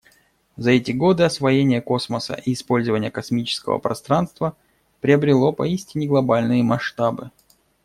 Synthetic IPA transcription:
zɐɛtʲɪɡo̞d̪ɨɐsvɐjenʲɪjəko̞sməsə̰ʔiːspo̞lʲzəvənʲɪjəkɐsmʲit͡ɕɪ̥skə̰və̰pɾɐ̰st̪ɾanst̪və | pɾʲɪəbɾʲɪlˠo̞pɐ̰isʲtʲɪnʲɪɡlˠɐbalʲnɨjəmɐʂt̪abɨ

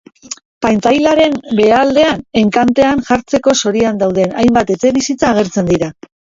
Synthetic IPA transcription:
pajnt̪ajlaɾe̞nbe̞ald̪e̞ane̞ŋkant̪e̞aŋʝaɾt͡se̞ko̞so̞ɾiand̪awð̞enajmbat̪e̞t͡se̞βisit͡saːɣ̞e̞ɾt͡se̞nd̪iɾa

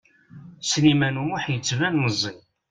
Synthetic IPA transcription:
snimænumʊħjət͡sːvænːəzˤːi

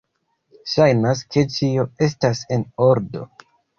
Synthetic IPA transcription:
ʃajnas̬kʰe̞t͡ʃio̞e̞s̬tase̞no̞ɾdo̰

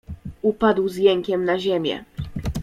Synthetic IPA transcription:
upad̪wzjɛŋkʲɛmnaʑemʲjɛ̰

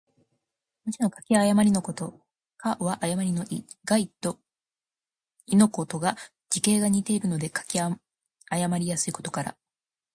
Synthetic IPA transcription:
mot͡ɕino̞kḁkʲiajamaɾʲinokot̪o | kʰaβaʔajamaɾʲinoʔiɡ̥ait̪o | ino̞ko̞t̪o̞ɡa | d͡ʑike̞ːɡaɲ̟it̪e̞iɾɯ̟no̞d̪e̞kḁkʲ | ajamaɾʲijasɨiko̞t̪o̞kaɾa̰

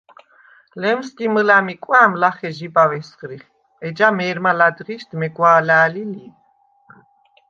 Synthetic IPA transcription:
lɛmsd̪iməlamikʼwaːmlaχɛʒibawɛsχɾiχ | ɛd͡ʒamɛːɾmalad̪ʁiʃd̪mɛɡwaːlaːlili

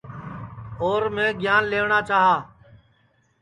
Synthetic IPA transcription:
oːɾmẽːɡʱɪjaːnleːʋɳaːt͡ʃaːɦaː

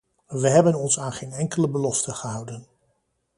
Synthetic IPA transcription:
ʋəɦɛbənɔnsaːnχejnɛŋkələbəlɔstəχəɦʌwdən

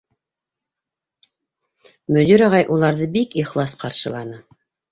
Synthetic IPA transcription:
mɵ̆d̪iɾɑʁɑjʔulˠɑɾðɤbikiχlˠɑsqɑɾʃɤ̆lˠɑnɤ

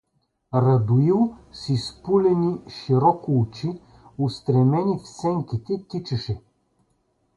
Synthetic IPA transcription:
ɾɐd̪ʊilˠsispulʲɛniʃiɾɔkʊːt͡ʃi | ʊst̪ɾɛmɛnifsɛŋkʲit̪ɛt̪it͡ʃɐʃɛ

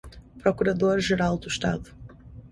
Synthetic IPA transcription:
pɾɔkuɾɐd̪oɾʒeɾalˠd̪uʃt̪a̰ðu

